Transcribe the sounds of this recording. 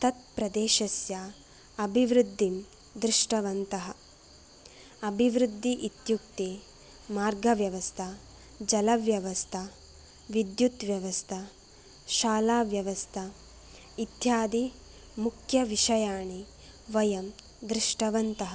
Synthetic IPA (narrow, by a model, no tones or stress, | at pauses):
t̪ɐt̪̚pɾɐd̪eːʃɐsja | ɐbʱiʋɾud̪ʱːim | d̪ɾɪʂʈɐʋɐnt̪ɐɦɐ̆ | ɐbʱiʋɾud̪ʱːiʔit̪juk̚t̪eː | maːɾɡɐʋjɐʋɐst̪ʰɐ | d͡ʒɐlɐʋjɐʋɐst̪ʰɐ | ʋid̪jut̪ʋjɐʋɐst̪ʰɐ | ʃaːlaːʋjɐʋɐst̪ʰɐ | it̪jaːd̪i | mukʰjɐʋiʃɐjaːɳi | ʋɐjɐm | d̪ɾɪʂʈɐʋɐnt̪ɐɦɐ